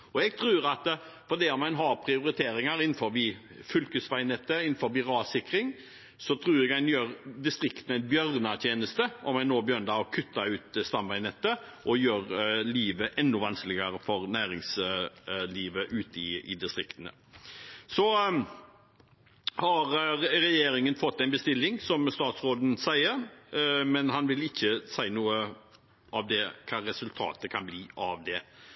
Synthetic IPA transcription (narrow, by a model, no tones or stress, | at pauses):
ɔɛɡ̚t̪ʰɾʉːɾɑt̪ | fɔd̪ɛːɔmæɪnɦɑɾpʰɾɪʊɾɪt̪ʰeːɾɪŋɑɾɪnːn̩fɔɾʋi | fʏlkəsʋæɪnɛt̪ːəɪnːn̩fɔɾbiʁɑːsɪkɾɪŋ | sɔt̪ʰɾʉːɾɛɡæɪnjøːɾd̪ɪst̪ɾɪkt̪ən̩æɪnbjœɾnɑt̪ʰjeːnəst̪əʔɔmæɪnoːbjœɾnd̪ɑɔkʰʉt̪ːɑʉːt̪st̪ɑmʋæɪnɛt̪ːəʔɔjøːɾliːʋəʔɛnːʊʋɑnsklɪɡəɾəfɔɾnæːɾɪŋs | liːʋəʔʉːt̪ɪɪ̰d̪ɪst̪ɾɪkt̪ənə̰ | sɔ | hɑɾɾɛjeːɾɪŋənfɔt̪ːæɪnbəst̪ɪlːɪŋsɔmst̪ɑːt̪sɾoːd̪n̩sæɪəɾmɛnɦɑnʋɪlɪçːəsæɪnuːə | ʔɑʋd̪ɛkʰɑːɾɛsʉlt̪ʰɑ̰ːt̪əkʰɑnbliːʔɑʋd̪ɛ